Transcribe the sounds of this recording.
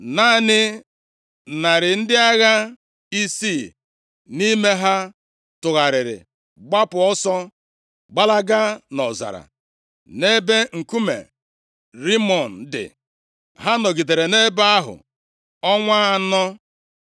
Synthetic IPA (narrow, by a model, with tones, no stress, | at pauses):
na˦˨nɪ˦ | na˨ɾɪ˨n̩˦dɪ˦a˦ɣa˦ | i˦si˦˨ | ni˦me˦ɦa˦ | tʊ˨ɣa˨ɾɪ˨ɾɪ̰˨ | ɡ͡ba˦pʊ˨ɔ˦sɔ˦ | ɡ͡ba˦la˦ɡa˦nɔ˨za̰˨ɾa̰˨ | ne˦be˦ŋ̩˨ku˦mḛ˨ | ɾi˦mɔ˨n̩˨dɪ̰˨ | ɦa˦nɔ˨ɡi˨de˨ɾe˨ne˦ba˦a˦ɦʊ̰˨ | ɔ˦ŋʷa˦a˨nɔ˦